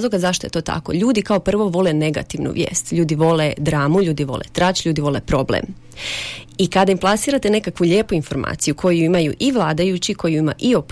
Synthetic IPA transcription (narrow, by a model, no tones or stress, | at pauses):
zlo̞ɡazaʃt̪o̞je̞t̪o̞ːt̪a̰ko̞̰ʎuːd̪ikao̞pr̩ʋo̞ʋo̞lene̞ɡa̰t̪iʋnṵʋjḛːst̪ʎuːd̪iʋo̞led̪ɾaːmuʎuːd̪iʋo̞̰lḛt̪ɾat͡ɕʎʲuːd̪iʋo̞lepɾo̞blḛm | ikad̪aimplˠasiːɾat̪e̞ne̞kakʋuʎe̞ːpuinfo̞ɾma̰ːt̪sijukʰo̞juimajuʔiʋlˠaːd̪ajut͡ɕikʰo̞juima̰ʔiop